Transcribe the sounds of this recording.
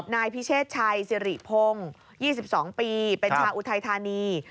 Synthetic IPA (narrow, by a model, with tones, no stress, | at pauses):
p̚naː˧jpʰi˦˥t͡ɕʰeː˥˩t̪̚t͡ɕʰa˧jsi˧ɾḭ˨˩pʰo˧ŋ | jiː˥˩si˨˩p̚sɔː˩˦ŋpiː˧pe˧nt͡ɕʰaː˧ʔu˧t̪ʰa˧jt̪ʰaː˧niː˧